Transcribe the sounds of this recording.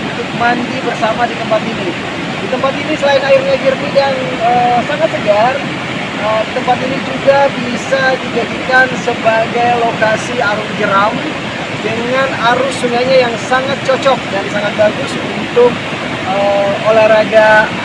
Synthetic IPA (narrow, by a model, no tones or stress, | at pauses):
t̪ʊk̚mandibərsamadit̪əmpat̪ini | dit̪əmpat̪inisəlaɪnaɪrɲaɡirnidan | əsaŋat̪səɡar | ədit̪əmpat̪inid͡ʒuɡabisadid͡ʒadikansəbaɡajlokasiaɾuŋɡəɾam | dəŋanaɾʊsuŋaɲajaŋsaŋat̪̚t͡ʃɔt͡ʃɔk̚dansaŋat̪̚baɡʊsunt̪ʊk̚ | əolahɾaɡa